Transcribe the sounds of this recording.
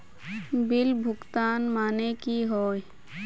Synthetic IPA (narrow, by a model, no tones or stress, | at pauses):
bɪlbʱʊkt̪aːnmaːnekiɦoːj